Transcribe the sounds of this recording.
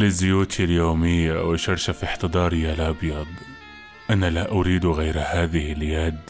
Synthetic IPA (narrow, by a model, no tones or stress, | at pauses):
lɪzːʊjuːt̪ʰiljoːmɪjːawɪʃɑɾˤʃafiħt̪ɨd̪ˤɑːɾˤɪjːalʔɑbjɑd̪ˤ | ʔanalaʔʊɾiːd̪ɣajɾhaːðɪhɪljad̪